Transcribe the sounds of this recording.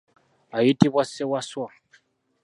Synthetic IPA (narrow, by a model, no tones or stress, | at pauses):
aitiβasɛwaswa